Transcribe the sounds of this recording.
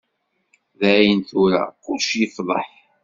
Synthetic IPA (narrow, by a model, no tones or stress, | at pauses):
ðæjənθʊɾa̰kʊlʃjəfðˤə̰ħ